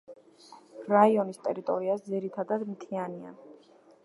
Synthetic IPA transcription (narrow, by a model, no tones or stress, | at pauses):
ɾaiɔnist̪ʼɛɾit̪ʼɔ̰ɾiasd̪ziɾit̪ʰad̪ad̪mt̪ʰiania̰